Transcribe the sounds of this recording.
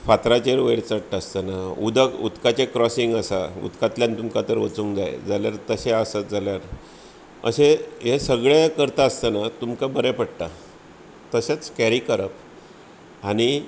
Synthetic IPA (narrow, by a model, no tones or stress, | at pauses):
fat̪ɾat͡ɕeɾʋəjɭt͡səɽʈːəst̪ənaud̪ʱəṵt̪kat͡ɕekɾɔsiŋɡəsaṵt̪kat̪ljant̪umkat̪əɾʋət͡suŋd͡za̰j̰d͡zaljaɾt̪əɕeasad͡zaljaɾ | ə̰seɦesəɡɭjakəɾt̪aːst̪anat̪umkabəɾepəɽt̪a | t̪əɕat͡skæɾikəɾəp̚ | aɽ̃i